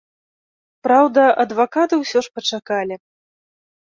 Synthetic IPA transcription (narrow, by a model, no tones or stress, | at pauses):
pɾawd̪ɐʔɐd̪vakat̪ɨwsʲɔʂpɐt͡ʂakalʲi